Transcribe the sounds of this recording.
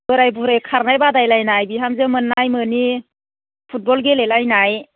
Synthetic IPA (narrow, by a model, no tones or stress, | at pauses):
bɯɾajbuɾajkʰaɾnajbadajlajnajbiɦamzemɯnːajmɯni | pʰut̚bɔlɡelelajnaj